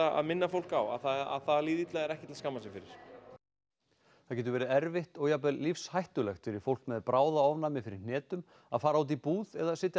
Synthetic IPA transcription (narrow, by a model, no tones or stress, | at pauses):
aa̰ðmɪnːafowl̥kawa̰θaa̰θaðliːðit̪laɣɛɾɛhcɪt̪ɪlaskamːasɛfɪɾɪɾ̥ | θaðc̬ɛːt̪ʏɾvɛːɾɪɛɾvɪht̪ɔɣjapɛllifshajht̪ʏlɛxt̪fɪɾɪɾ̥fowl̥kmɛðpɾʔaːwðaɔvnamɪfɪɾɪɾnɛːt̪ʏm | aðfaːɾaawt̪̬ipuːðɛðasɪːt̪ja